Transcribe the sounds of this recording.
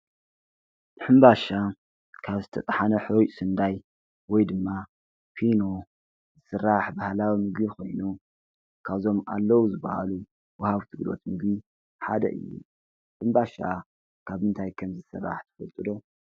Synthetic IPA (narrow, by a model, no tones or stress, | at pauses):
ħɨmbaʃa | kʰaβzɨt̪ʰɐt̪ʼħanɐħosɨnd̪aj | wɔjd̪ɨmːa | pʰino̞ | zɨsɨrːaħbahlawimɨɡbixo̞jnu | kʰaβzo̞ma̰lːɐwuzɨbːɐha̰lu | wɐhaβt̪ʰɨɡlo̞̰t̪mɨɡbi | ħad̪ɐ̰ʔɨ̰jːṵ | ħɨmbaʃa | kʰaβɨnt̪ʰajkʰɐmzɨsɨrːa̰ħt̪ʰɨ̥fɐ̰lt̪ʼɨd̪o̞